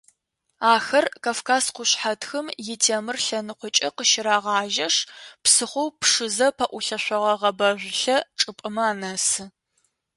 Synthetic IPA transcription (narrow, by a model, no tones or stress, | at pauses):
aːxɐrkʰaːfkʰaːsqʷʊɕħatʰxɨmjɪtʰeːmɨrɬɐnɨqʷʊt͡ʃʼɐqəʃɪɾaːʁɑːʒɐʂpsɨχʷowpʂɨzɐpʰɐʔʷʊɬɐɕʷɐʁɐʁɐbɐʒʷɬɐʈ͡ʂʼɨpʼɨmɐaːnɐsɨ